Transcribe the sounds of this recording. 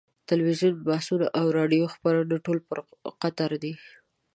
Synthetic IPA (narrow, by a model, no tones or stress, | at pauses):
t̪alwizjunbahsunaʔawɾɑɖijoxpaɾənaʈolpəɾqat̪aɾd̪i